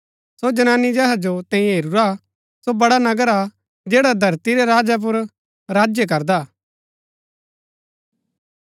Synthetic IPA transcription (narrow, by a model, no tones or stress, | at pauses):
sod͡ʒɐnaːnːid͡ʒɛɦad͡ʒot̪ɛ̃ːĩɦeːɾuɾa | sobɐɽanɐɡəɾa | d͡ʒeːɽad̪ʱɐɾt̪iɾeɾaːd͡ʒap̬ʊɾ | ɾaːd͡ʒjək̬ɐɾd̪aː